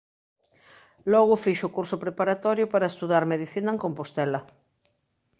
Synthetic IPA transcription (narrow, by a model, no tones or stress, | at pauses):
lɔɣʊfiʃʊkuɾsʊpɾepaɾat̪ɔɾjʊpaɾaest̪uðaɾmeðiθinaeŋkompost̪ɛlɐ